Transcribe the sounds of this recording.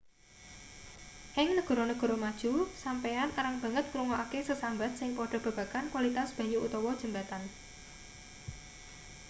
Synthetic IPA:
ʔɪŋnəɡ̥ɔ̤ɾonəɡ̥ɔ̤ɾomad̥ʒ̥usampejanaɾaŋb̥a̤ŋət̪̚kɾuŋɔʔakesəsambat̪̚sɪŋpɔɖ̥ɔ̤b̥a̤b̥a̤kankwalit̪asb̥ä̤ɲuʔut̪ɔwɔd̥ʒ̥ə̤mbat̪an

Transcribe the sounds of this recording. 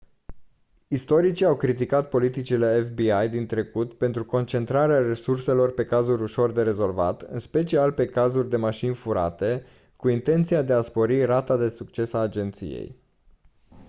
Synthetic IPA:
ist̪o̞ɾit͡ʃiawkɾit̪̬ikat̪̚po̞lit̪it͡ʃile̞efbiajd̪int̪ɾe̞kut̪pe̞nt̪ɾuko̞nt͡ʃe̞nt̪ɾaɾeare̞surse̞lo̞rpe̞kazuɾʲuʃo̞rd̪e̞ɾe̞zo̞lva̰t̪ɨ̰nspe̞t͡ʃialpe̞kazurʲd̪e̞maʃinfuɾa̰t̪e̞ | kuint̪e̞nt̪sijad̪e̞aspo̞ɾirat̪ad̪e̞sukt͡ʃe̞saːd͡ʒe̞nt̪sḭjḛj

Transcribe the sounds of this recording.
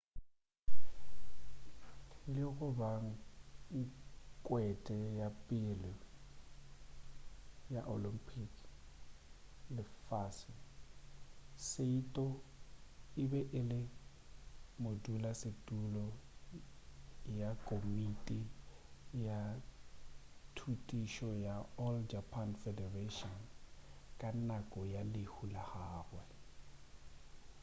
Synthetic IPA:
lɪkʊbaŋ̩ikʼwɛtʼɛjapʼɪlɔ | jaʔo̰limpʰik | lɪfaːsɪ | seitʼɔ | ɪbɛʔɪlɪ | modulasɪtʼulɔ | jakʼomitʼi | ja | tʰutʼiʃɔjaɔld͡ʒapʰanfɛdɛretɔn | kʼanakʼɔjalɪhulahaːrwɛ

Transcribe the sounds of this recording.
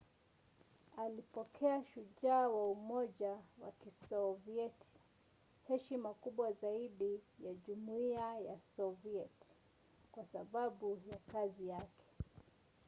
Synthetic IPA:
alipɔkʰɛaʃuʄaːwaumɔʄawa̰kisɔviɛtʰi̥ | hɛʃimakuɓwazaiɗijaʄumuiajasɔviɛti̥ | kwasaɓaɓujakazijakʰɛ̥

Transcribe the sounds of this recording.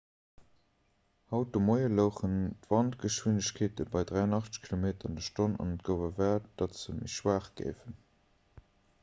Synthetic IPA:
hɑʊt̚dəmoɪələʊχəntvɑntɡəʃwinəɕkʰeːtəbɑɪdʁæɪɑnɑχt͡sə̥ɕkʰilomeːtɐɑndəʃtonɑ̰nət̚ɡ̥əʊvəvɛːɐt̚d̥ɑtzəmḭʃwaːχɡ̥ḛɪfən

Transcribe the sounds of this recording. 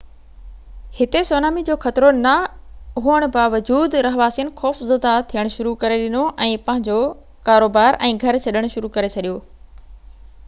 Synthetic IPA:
hɪt̪esoːnaːmid͡ʑoːxɐt̪ɾonɐɦuəɽ̃baːʋəd͡ʑuːd̪ɾɐɦʋaːsiənɪ̆xɔːfzəd̪at̪ʰijəɽ̃ʃʊɾukɐɾeɗɪnoʔɛ̃ːpɐ̃ɦɪ̃ɲd͡ʑo | kaːɾoːbaːɾɛ̃ːɡʱɐɾt͡ɕʰɐɗəɽ̃ʃʊɾukɐɾet͡ɕʰɐɗijoː

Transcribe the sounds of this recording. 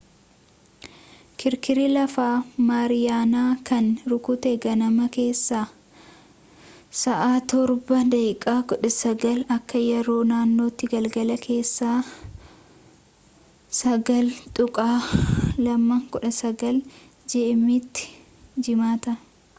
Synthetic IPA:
kɪɾkɪɾilɐfaːmaːɾɪjaːnaːkɐnɾʊkʊt̪eɡɐnɐmɐke̞ːsːaː | sɐʔaːt̪ɔɾbɐd̪ɐjkʼaːkɔᶑɐsɐɡɐlɐkːɐjɛɾo̞ːnaːnːo̞ːt̪ːɪɡɐlɡɐlɐkʰe̞ːsːaː | sɐɡɐlt̪ʼʊkʼaːlɐmːɐŋkɔᶑɐsɐɡɐl | d͡ʒɛʔɛmɪt̪ːɪ̥ | d͡ʒɪmaːt̪ɐ

